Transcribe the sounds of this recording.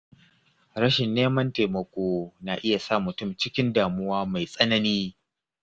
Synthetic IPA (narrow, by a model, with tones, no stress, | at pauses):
ɾɐ˦ʃɪ˨nːeː˦mɐ˦nteː˨mɐ˨kʷoː˦naː˨ʔɪ˦ja˨saː˦˨mʊ˨tʊ˦˨mt͡ʃɪ˦kʲɪ˦ndaː˨mʊ˦waː˦ma˨jsʼɐ˦nɐ˦niː˦